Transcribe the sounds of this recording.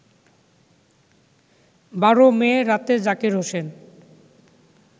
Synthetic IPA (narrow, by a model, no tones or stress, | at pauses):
baɾomeɾat̪ed͡ʑakeɾɦoʃen